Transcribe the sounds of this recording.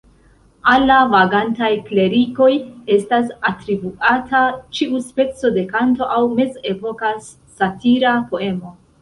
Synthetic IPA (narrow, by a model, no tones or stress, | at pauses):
alːavaɡantajkle̞ɾiko̞je̞stasatɾibuʔatʰat͡ʃiuspe̞t͡so̞de̞kanto̞ʔawme̞zepo̞ka | satiɾapo̞e̞mo̞